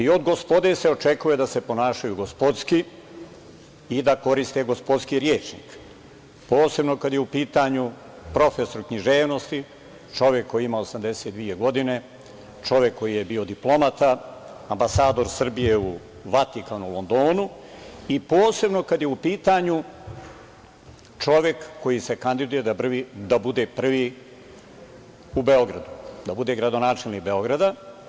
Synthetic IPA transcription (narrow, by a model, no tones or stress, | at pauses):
io̞d̪ɡo̞spo̞d̪e̞se̞o̞t͡ʃe̞kuje̞d̪ase̞po̞naːʃajuɡo̞spo̞d̪ski | id̪ako̞ɾist̪e̞ɡo̞spo̞d̪skiɾjeːt͡ʃnḭːk | po̞ːse̞bno̞kad̪jeupiːt̪aɲu | pɾo̞feso̞ɾukɲiʒeːʋno̞st̪i | t͡ʃo̞ʋjekːo̞jiimaosamd̪e̞set̪d̪ʋije̞ɡo̞d̪ine̞ | t͡ʃo̞ʋjekːo̞jije̞bio̞d̪iplˠo̞mat̪aambasaːd̪o̞ɾsr̩bije̞u | ʋat̪ikanulo̞nd̪o̞ːnu | ipoːse̞bno̞kad̪je̞upiːt̪aɲu | t͡ʂo̞ʋje̞kːo̞jise̞kand̪id̪uje̞d̪arid̪abud̪e̞pr̩ʋi | ube̞o̞ɡɾa̰d̪ud̪abud̪e̞ɡɾad̪o̞naːt͡ʃelnik̚be̞o̞ɡɾad̪a